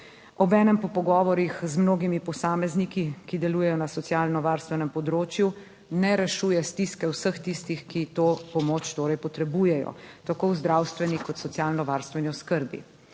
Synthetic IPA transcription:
ɔbɛːnɛmpɔpɔɡɔːʋɔɾixzmnoːɡimipɔsaːmɛznikikid̪ɛlujɛjɔnasɔt̪sjaːlnɔʋaːɾst̪ʋɛnɛmpɔd̪ɾoːt͡ʃju | nɛɾɛʃuːjɛst̪iskɛwsəxt̪ist̪ixkit̪oːpɔmoːt͡ʃt̪oːɾɛjpɔt̪ɾɛbuːjɛjɔ̰t̪akowzd̪ɾawst̪ʋɛnikɔt̪sɔt̪sjaːlnɔʋaɾst̪ʋɛniɔskəɾbḭ

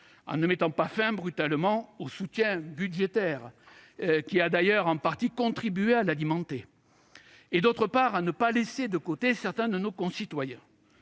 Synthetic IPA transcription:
ɑ̰̃nəmɛt̪ɑ̃pafɛ̃bʁyt̪almɑ̃osut̪jɛ̃bydʒet̪ɛʁ | kʲiad̪ajœʁɑ̃paʁt̪ikɔ̃t̪χibyealalimɑ̃t̪e | d̪ot̪χəpaʁanəpalesed̪əkot̪esɛʁt̪ɛ̃d̪ənokɔ̃sit̪wajɛ̃

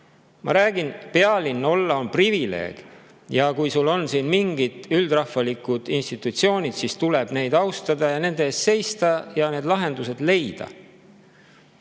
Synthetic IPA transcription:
mɑ̰ɾæːɡ̥inpe̞ɑlinːo̞lːɑo̞nprivile̞̰ːɡ̥ | jɑkujsulːo̞nsiːnmiŋɡ̥id̪̥yld̪rɑhfɑlikˑud̪̥inst̪it̪ːˑut̪sio̞ːnʲid̪̥sist̪uleb̥ne̞jd̪̥ɑwst̪ɑd̪ɑjɑne̞nd̪̥eeːsse̞jst̪ɑjɑne̞ːd̪lɑɦe̞nd̪use̞d̪̥le̞jd̪̥ɑ̰

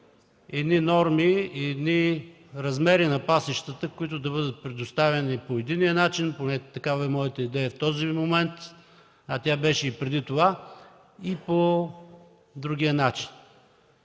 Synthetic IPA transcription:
ɛd̪ninɔɾmiɛd̪ni | ɾɐzmɛɾinɐpasɛʃt̪ət̪əkoit̪ʊd̪ɐbɤd̪ət̪̚pɾɛd̪ost̪avɛnipoɛd̪inijənat͡ʃinponɛt̪ɐkavɐɛmɔjət̪əid̪ɛjɐft̪ɔzimomɛnt̪ | ɐt̪ʲabɛʃɛipɾɛd̪it̪ova | ipo | d̪ɾuɡ̟ijənat͡ʃi̥n

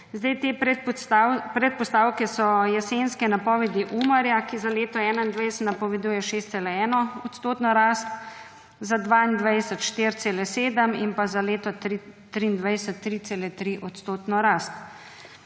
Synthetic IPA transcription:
zd̪ajt̪eːɛ | pɾɛt̪̚pɔst̪awkɛsɔjɛsenskɛnapɔːʋɛd̪iʔumɐɾjakizaleːt̪ɔɛːnaind̪ʋajsət̪napɔʋɛd̪uːjɛʃeːst̪seːlɛɛːnɔɔt̪st̪oːt̪nɔɾaːst̪ | zad̪ʋaːind̪ʋajsət̪ʃt̪iːɾt̪seːlɛseːd̪əminpazaleːt̪ɔɾit̪ːɾiːnd̪ʋajsət̪ːɾit̪seːlɛt̪ɾiʔɔt̪st̪oːt̪nɔɾaːst̪

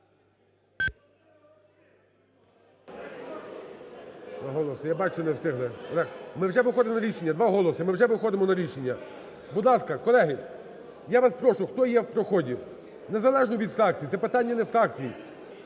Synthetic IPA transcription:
d̪ʋaɦɔlˠɔsɪjabɑt͡ʃʊnɛst̪ɪɦlˠɛlɛkmɪwʒɛʋɪxɔd̪ɪmɔnɐɾʲiʃenʲːɐd̪ʋɑɦɔlˠɔsɪmɪwʒɛʋɪxɔd̪ɪmɔnɐɾʲiʃenʲːɐ | bud̪lˠɑskɐkɔlˠɛɦɪ | jaʋaspɾɔʃʊxt̪ɔjɛwpɾɔxɔdʲi | nezɐlˠɛʒnɔʋʲid̪fɾɑk̚t͡sʲij̪ɛpɪt̪ɑnʲːɐnɛfɾɑkt͡sʲiji

